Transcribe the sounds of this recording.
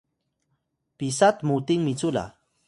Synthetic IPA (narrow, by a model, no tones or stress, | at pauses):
pisat̪mut̪ɪŋmit͡sula̰